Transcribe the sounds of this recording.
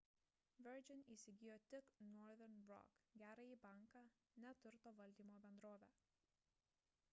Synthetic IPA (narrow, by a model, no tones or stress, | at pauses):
ʋʲɛɾd͡ʒʲɪniːsʲɪɡʲɪjoːt̪ʲɪknɔɾðʲɛɾnɾɔ̰kɡʲæːɾɐiːbɐˑŋˑkɑ | nʲɛt̪ʊɾt̪oːʋɐlʲd̪ʲiːmoːbʲɛnd̪ɾoːʋʲæː